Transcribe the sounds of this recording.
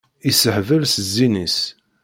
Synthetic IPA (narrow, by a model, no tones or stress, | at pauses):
isəħvəlsəzːinis